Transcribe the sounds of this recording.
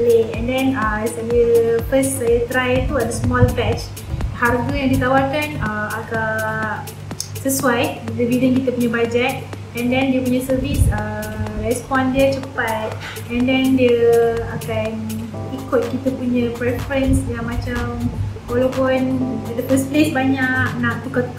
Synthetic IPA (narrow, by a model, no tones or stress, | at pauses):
leɛ̃ndɛnəsajəfəssajət̪ɾajt̪uadəsmɔlpɛt͡ʃ | harɡəjãŋdiət̪awalkanəaka | səsuajdəbidəŋkit̪əpuɲãbad͡ʒɛt̪̚ | ɛ̃ndɛ̃ndiəpuɲãsərvisərɛspɔndiət͡ʃəpat̪̚ | ɛ̃ndɛndiəakan | ikʊt̪̚kit̪əpuɲãpɾɛfɾənsjamãt͡ʃam | walawpʊndəpəsplesbaɲaknãʔ̚t̪ukət̪